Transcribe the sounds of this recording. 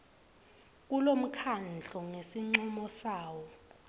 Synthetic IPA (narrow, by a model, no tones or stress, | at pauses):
k̬ʼulom̩kʰand͡ɮʱɔŋesiŋ͡ǀumɔsaːwɔ